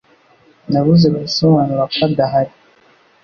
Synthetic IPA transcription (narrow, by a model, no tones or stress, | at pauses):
naβuzeβaisomanuɾakadaɦaɾi